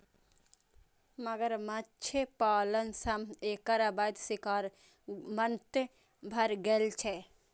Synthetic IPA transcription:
mɐɡəɾmɐtt͡ʃʰepaːlənsɐmeːkəɾɐbaːd̪sikaːɾ | mɐnt̪ | bʱɐɾɡelt͡ʃʰe

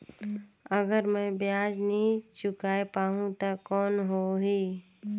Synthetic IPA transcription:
əɡəɾmɛ̃ːbjaːd͡ʒnəɦĩt͡ʃʊkaːepaːɦũt̪akɔːnɦoɦiː

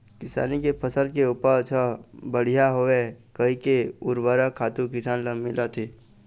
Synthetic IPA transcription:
kɪsa̰ːnikepʰəsəɾkeʊpət͡ʃʰəbəɽ̤ijaɦoekəɦikeʊɾbəɾakʰaːt̪ukɪsaːnləmɪlat̪ʰeː

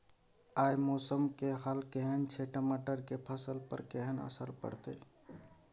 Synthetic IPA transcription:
aːjmoːsəmkeɦaːlkeɦənt͡ʃʰeʈəmaːʈəɾkepʰəsəlpə̰ɾkeɦənə̰səɾpə̰ɽ̤t̪ḛ

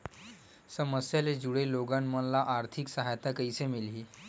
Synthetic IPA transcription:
səməsjaled͡ʑuɽeloɡanmənlaʔaɾt̪ʰiksəɦajt̪akəjsemilɦiː

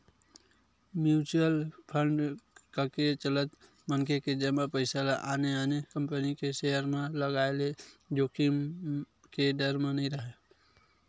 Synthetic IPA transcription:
mjut͡ʃuəlpʰəɳɖkaket͡ʃələt̪ | mənkeked͡ʒəmapəɪsalaʔaneanekəmpənikeseɦəɾmẽləɡaeled͡ʒoːkim | keɖəɾmẽnəĩɾəɦe

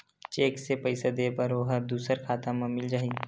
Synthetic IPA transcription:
t͡ʃeːksepəɪsed̪eːpɐɾoɦəɾd̪uːsəɾkʰaːt̪ãmə̃mɪld͡ʒaːɦi

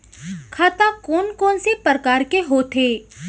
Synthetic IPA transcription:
kʰaːt̪akɔːnkɔːnsepəɾkaːɾkeɦoːt̪ʰeː

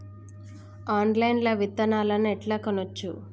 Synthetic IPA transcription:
aːnlɐjnlɐʋit̪ːɐnaːlɐnɛʈlaːkonot͡ʃːu

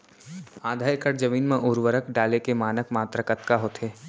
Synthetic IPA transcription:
aːd̪ʱaːjkəɾd͡ʒəʋiːnmẽʔʊɾʋəɾəkɖaːlekemaːnəkmaːt̪ɾəkət̪kaɦot̪ʰeː

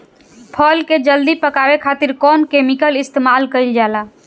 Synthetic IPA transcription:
pʰɔːlked͡ʒəld̪ipəkabekʰaːt̪iɾkɔːnkemikəlɪst̪emaːlkəɪld͡ʒala

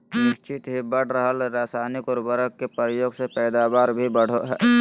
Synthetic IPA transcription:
ɾɪst͡ʃɪt̪ɦibəɽ̤ɾəɦəlɾaːsaːnɪkɔːɾbəɾəkkepəɾjoːɡsepɛːd̪aːbaːɾbʱibəɽ̤oɦɛː

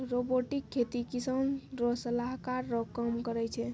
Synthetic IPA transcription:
ɾoboʈikʰːet̪ikisənɾɔsəlaɦkaɾːɔkəmkəɾɛjt͡ʃʰɛ

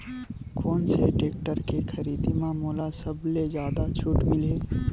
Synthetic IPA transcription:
kɔːnseʈeːk̚ʈəɾkekʰɐɾiːd̪imãmoːlasəblezjaːd̪at͡ʃʰʊʈmɪleː

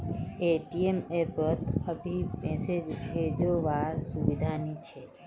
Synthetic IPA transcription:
eʈiemebət̪əbʱipɛ̃sed͡ʒbed͡ʒoʋaɾsuʋid̪ʱanit͡ʃʰe

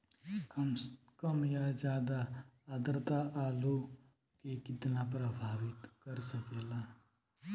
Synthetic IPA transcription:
kəmjad͡ʒjaːd̪aad̪ɾt̪aʔaːlu | kekɪt̪napɾəbʱaːʋɪt̪kəɾsəkeːlaː

